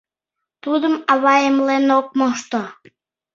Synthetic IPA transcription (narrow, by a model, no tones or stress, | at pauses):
t̪ud̪əmɑβɑemlenok̚moʃt̪o